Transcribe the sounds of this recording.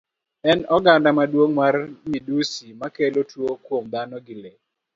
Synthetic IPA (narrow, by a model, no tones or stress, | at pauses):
ɛnɔɡandamadwoŋmarmidusimakelotwokwomd̪anɔɡɪle